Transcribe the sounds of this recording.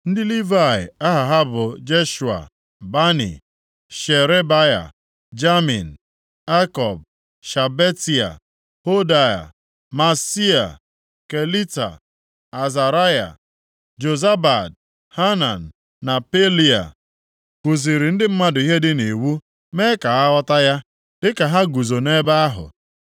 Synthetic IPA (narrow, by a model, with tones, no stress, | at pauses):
n̩˦dɪ˦li˦va˦˨ɪ̰˨a˦ɦa˨ɦa˦bʊ˨d͡ʒe˦ʃu˨a̰˨ | ba˦nḭ˨ | ʃe˨ɾe˦ba˦ja̰˨ | d͡ʒa˦mi˨n̩˨ | a˦kɔ˨b̚ | ʃa˨be˦ti˨a̰˨ | ho˦da˦ja̰˨ | ma˨si˦a˨ | ke˨li˦ta̰˨ | a˨za˨ɾa˦ja̰˨ | d͡ʒo˨za˦ba˨d | ha˦na˨n̩˨ | na˨pe˦li˦a̰˨ | kʷu˨zi˨ɾi˨n̩˦dɪ˦m̩˦ma˦dʊ˨˦i˦ɦe˦dɪ˦ne˨wu˦ | me˦ka˨a˦ɔ˦ta˦ja˦ | dɪ˦ka˨ɦa˦ɡu˨zo˨ne˦ba˦a˦ɦʊ̰˨